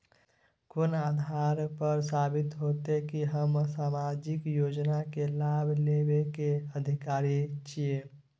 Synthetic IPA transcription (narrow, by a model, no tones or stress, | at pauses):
konad̪ʱaɾpəɾsabɪt̪ɦot̪ekiɦəmsamad͡ʒɪkjoːd͡ʒnakelabʱlebekeəd̪ʱikaːɾit͡ʃije